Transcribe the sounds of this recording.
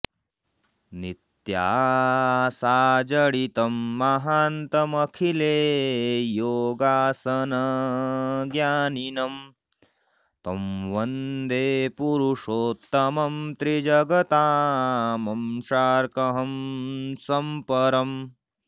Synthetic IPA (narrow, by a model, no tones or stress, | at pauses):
nit̪jaː | saːd͡ʒɐɽit̪ɐmːɐɦaːnt̪ɐmɐkʰileːjoːɡaːsɐnɐ | ɡjaːninɐm | t̪ɐmʋɐnd̪eːpuɾuʂoːt̪ːɐmɐmt̪ɾid͡ʒɐɡɐt̪aːmɐmʃaːɾkɐɦɐmsɐmpɐɾɐm